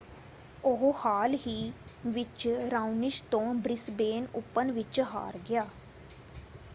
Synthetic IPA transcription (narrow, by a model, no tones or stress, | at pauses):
oɦhaːlɦiːʋɪt͡ʃɾaːunɪʃt̪õːbɾɪsbeːnʊpːənʋɪt͡ʃɦa̰ːɾɡɪjaː